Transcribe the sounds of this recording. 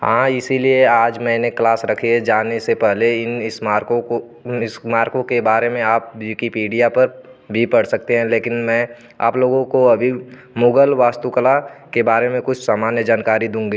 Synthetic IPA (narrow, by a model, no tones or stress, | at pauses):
hãːɪsilieaːd͡ʒmɛ̃ːneklaːsɾɐkʰied͡ʒaːnesepɛɦleɪnɪsaːɾõo | ɪsmaːɾkõkebaːɾemẽaːp̚jikipiːɖijapɐɾ | bʱipɐɽsɐk̚t̪eɦɛ̃leːkɪnmɛ̃ː | a̰ːploːɡõkoɐbʱi | mʊɡəlʋaːst̪ukəlakebaːɾemẽkʊt͡ʃʰsaːmaːnjəd͡ʒaːnkaːɾid̪ũːŋɡiː